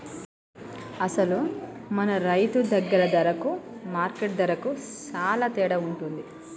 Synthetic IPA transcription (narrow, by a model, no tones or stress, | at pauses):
ɐsɐlumɐnɐɾɐjt̪ud̪ɐɡːɐɾɐd̪ɐɾɐkumaːɾkeʈ̚d̪ɐɾɐkut͡ʃaːlaːt̪ɛːɽɐuɳʈund̪i